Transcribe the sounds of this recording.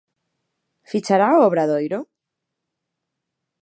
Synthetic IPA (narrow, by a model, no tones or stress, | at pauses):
fit͡ʃaɾaoβɾaðojɾo